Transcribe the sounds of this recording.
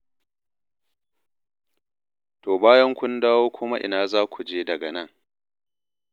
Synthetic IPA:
toː˨baː˦jɐ˦ŋkʷʊ˦ndaː˦woː˦kʷʊ˦ma˦ʔɪ̰˨naː˦zaː˦kʷʰu˨d͡ʒeː˦dɐ˨ɡɐ˨nɐ˦ŋ

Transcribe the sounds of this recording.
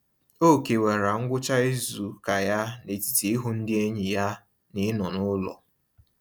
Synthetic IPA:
o˦˨ke˨we˨ɾa˨ŋ̩˦ɡʷʊ˦t͡ʃa˦i˦zu˨ka˨ja˦ne˨ti̥˨ti˨i˦ɦu˦n̩˦dɪ˦e˦ɲɪ˨ja˦ | nɪ˦nɔ˨nʊ˦lɔ̰˨

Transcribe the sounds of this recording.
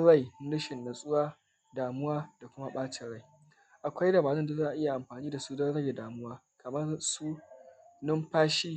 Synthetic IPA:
ɐ˦ɽa˦˨jɽɪ˦ʃɪ˨nːa˨sʼʊ˦waː˦ | daː˨mʊ˦waː˦da˨kʷʊ˦ma˦ɓaː˦t͡ʃɪ˨ɽa˦j | ʔa˨kʷa˦jdɐ˨baː˨zɐ˦nda˨zaː˦ʔa˨ʔɪ˦ja˨ʔa˨mɸaː˨niː˦da˨suː˦dɐ˦ɽɐ˦e˨daː˨mʊ˦waː˦ | kʰɐ˨mɐ˦rsuː˦nʊ˦mɸaː˦ʃiː˦

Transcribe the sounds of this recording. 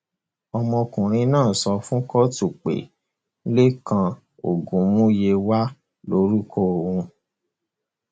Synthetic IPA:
ɔ˧mɔ̃˧kũ˨ɾ̃ĩ˧nãː˦˨sɔ˧fũ˦kɔ˦tu˦˨k͡pḛ˨˦ | le˦kã˧ | o̰˨ɡũ˨˦mũ˦je˧wa˦ | lo˨˦ɾu˦ko˦˨o˨wũ˧

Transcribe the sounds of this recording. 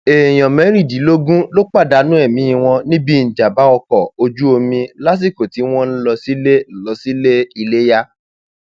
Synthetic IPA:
e˨j̃ɔ̃˨mɛ̃˨˦ɾi˦˨di˨˦lo˦ɡũ˦lo˦k͡pa˦˨da˧˦nũ˦ɛ˦˨mĩ˨˦ĩ˧w̃ɔ̃˧nĩ˦bĩ˦˨d͡ʒa˨ba˨˦ɔ˧kɔ˨o˧d͡ʒu˦o˧mĩ˧la˦s̬i˦˨ko˨ti˨˦w̃ɔ̃˦n̩˦lɔ˧si˦le˦n̩˨lɔ˧si˦le˦i˧le˦ja˦

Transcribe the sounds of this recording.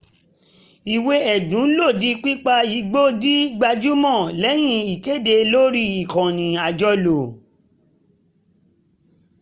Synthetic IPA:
i˨we˧˦ɛ˨dũ˨˦lo˦˨di˨˦k͡pi˦k͡pa˧i˨˦ɡ͡bo˦di˦ɡ͡ba˧d͡ʒu˦mɔ̃˦˨lɛ˨˦j̃ĩ˧i˨ke˦˨de˧lo˦ɾi˧i˨kɔ̃˨nĩ˨a˨d͡ʒɔ˧lo˨

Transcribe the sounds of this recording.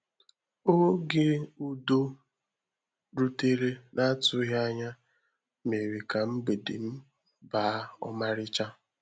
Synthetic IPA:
o˦ɡe˦u˦do˦ | ɾu˦te˦ɾe˦na˦tʊ˦ɦa˦ɲa˦ | me˨ɾe˨ka˨m̩˦ɡ͡be˨dḛ˨m̩˦ | ba˦ɔ̰˦ma˦ɾɪ˦t͡ʃa˦

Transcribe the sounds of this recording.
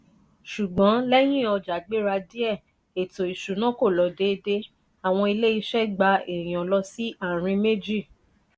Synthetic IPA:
ʃu˨ɡ͡bɔ̃˨˦lɛ˦j̃ĩ˦ɔ˧d͡ʒa˨ɡ͡be˦ɾa˧di˦ɛ˦˨ | e˨to˨i˨ʃu˨nã˨˦ko˦˨lɔ˨˧de˨˦de˦ | a˨w̃ɔ̃˧i˧le˦i˧ʃɛ˦ɡ͡ba˧e˨j̃ɔ̃˨lɔ˧si˦a˦˨ɾ̃ĩ˧me˦d͡ʒi˦˨

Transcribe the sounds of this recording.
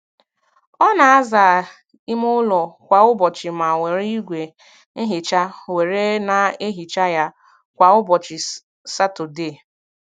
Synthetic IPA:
ɔ˦na˨a˦zaː˨ | ɪ˦mʊ˦lɔ˨kʷa˨ʊ˦bɔ˨t͡ʃɪ˨ma˨we˨ɾi˦ɡʷe˨˦ | ɦɪ˨t͡ʃa˦we˨ɾe˦na˨e˦ɦi˨t͡ʃa˦ja˦ | kʷa˨ʊ˦bɔ˨t͡ʃɪ˨ | sa˦to˨de˦˨

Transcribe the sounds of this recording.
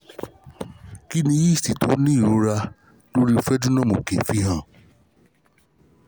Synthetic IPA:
ki˦nĩ˧ji˦˨sti˨to˨˦nĩ˦i˦˨ɾo˨˦ɾa˧ | lo˦ɾi˦˧fɛ˦d͡ʒu˦nã˦mo˨kḛ˨fi˨˦ɦã˦˨

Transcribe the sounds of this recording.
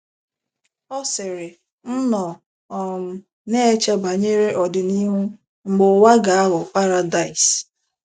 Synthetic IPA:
ɔ˦sɪ˨ɾɪ˨ | n̩˦nɔ˨ | ɔ˨m̩˨ | ne˦e˦t͡ʃe˦ba˨ɲe˦ɾe˦ʔɔ˨dʊ˨ni˦ɦu˦ | ŋ͡m̩˨ɡ͡bʊ˨wa˦ɡa˨a˦ɦʊ˨pa˦ɾa˦da˨ɪ˨s

